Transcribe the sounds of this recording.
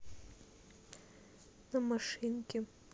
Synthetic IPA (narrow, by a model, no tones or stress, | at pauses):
namaʂɨnkʲʼɪ